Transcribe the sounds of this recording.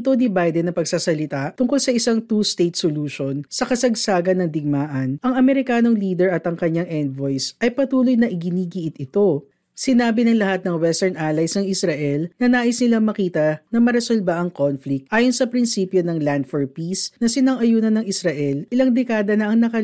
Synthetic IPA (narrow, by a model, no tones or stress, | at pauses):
t̪onibajd̪ɛnːɐpɐɡ̚saːsɐlɪt̪at̪ʊŋkolsɐʔɪsaŋt̪ust̪ejt̪̚soluːʃonsɐkɐsɐɡsaːɡɐnːɐŋd̪ɪɡ̚maːʔɐnʔɐŋɐmɛɾɪkaːno̞ŋliːd̪ɛɹɐt̪ɐŋkɐɲaŋʔɛnd̪vojsʔɐjpɐt̪uːlojnɐʔɪɡɪniːɡiʔɪt̪ɪt̪o̞ | sɪnaːbɪnɐŋlɐhat̪̚nɐŋwɛst̪ɛɹnʔaːlɐjsnɐŋɪsɾɐʔɛlnɐnaːʔɪsnɪlamɐkiːt̪ɐnɐmɐɾɛsolbaʔɐŋkonflɪk̚t̪ʔaːjonsɐpɾɪnsiːpjo̞nɐŋland̪foɹpisnɐsɪnɐŋɐjuːnɐnːɐŋɪsɾɐʔɛlʔɪlɐŋd̪ɛkaːd̪ɐnɐʔɐŋnɐkɐ